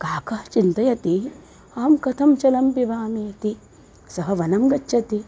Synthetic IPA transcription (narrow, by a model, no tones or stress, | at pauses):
kaːkɐht͡ʃint̪ɐjɐt̪i | aːmkɐt̪ʰɐmt͡ʃɐlɐmpiʋaːmeːɐt̪i | sɐɦɐʋɐnɐmɡɐt͡ʃːʃʰɐt̪i